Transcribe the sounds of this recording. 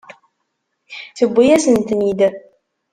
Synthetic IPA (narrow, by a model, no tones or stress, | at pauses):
θəbʷːijæsənt̪nid̪